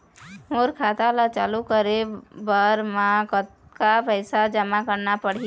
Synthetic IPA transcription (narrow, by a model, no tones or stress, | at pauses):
moɾkʰat̪alat͡ʃalukəɾebəɾmakət̪̚kapəjsad͡ʒəmakəɾnapəɽ̤i